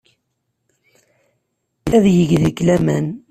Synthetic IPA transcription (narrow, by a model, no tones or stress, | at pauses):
æðjəʝðəkːlæmæn